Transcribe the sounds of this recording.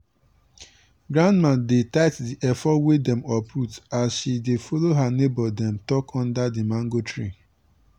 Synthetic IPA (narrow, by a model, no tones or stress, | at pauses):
ɡɾãndmãndetaɪtdiʔɛfɔwedɛ̃mɔpɹutasʃidefɔloɦanebɔdɛ̃mtɔkʰɔ̃ndadimãŋɡotʰɹi